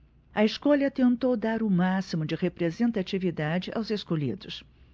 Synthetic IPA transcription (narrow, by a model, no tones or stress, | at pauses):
ɐeskɔʎɐt̪ẽnt̪owd̪aɾʊmasimʊd͡ʒɪʁepɾezẽnt̪at͡ʃivid̪ad͡ʒɪʔa̰wzeskoʎḭd̪ʊs